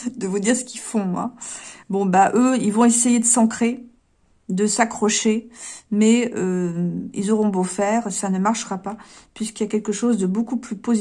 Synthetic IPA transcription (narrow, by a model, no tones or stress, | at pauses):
d̪əvud̪iʁsə̥kʲifɔ̃mwa̰bɔ̃baʔøilvɔ̃esejed̪əsɑ̃kχe | d̪əsakχɔʃemɛøḭlzɔʁɔ̃bofɛːʁsanəmaʁʃəʁapapɥiskiljakʲɛlkəʃozd̪əbokuplypoz